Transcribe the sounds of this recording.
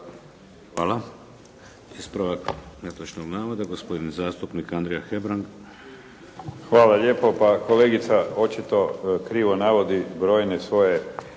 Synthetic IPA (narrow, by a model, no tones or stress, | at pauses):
xʋaːlˠa | ispɾaʋaknet̪ot͡ʃnoɡnaːʋod̪aɡospo̞d̪inzaːst̪upnikand̪ɾijaxebɾaŋɡ | xʋaːlaʎe̞ːpo̞pako̞leːɡit̪sao̞t͡ʃit̪o̞kɾiːʋo̞naʋo̞d̪ibɾo̞ːjnesʋo̞je